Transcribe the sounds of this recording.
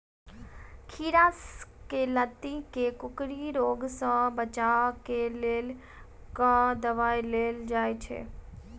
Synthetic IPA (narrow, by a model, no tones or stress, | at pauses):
kʰiːɾaːskelət̪ːikekʊkɾiɾoːɡsə̃bət͡ʃakelel | kãd̪ɐʋaːjleːld͡ʒaːet͡ʃʰḛː